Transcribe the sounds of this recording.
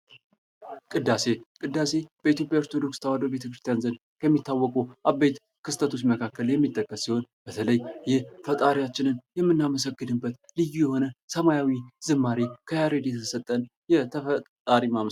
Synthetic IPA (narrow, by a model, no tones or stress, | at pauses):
kʼɨd̪ːase̞kʼɨd̪ːase̞b̥əit̪jo̞pʼjaoɾt̪ʰo̞d̪o̞kst̪ʰəwad̪obe̞t̪ʰəkɾɨst̪ʰjanzənd̪ | kʰəmːit̪ːawːɔkʼuʔabːet̪ | kʰɨst̪ʰət̪ʰosməkʰakːəljɛmːit̪ʼːəkʼːəsːiho̞nb̥ət̪ʰələjjɪhfət̪ʼaɾijat͡ʃːɪnɨnjɛmːɨnːaməs̬əɡːɨd̪ɨbət̪lɨjːujɛho̞nəsəmajawiz̥ɨmːaɾikʰəjaɾed̪jɛt̪ʰəsət̪ʼːən | jɛt̪ʰəfə | aɾimam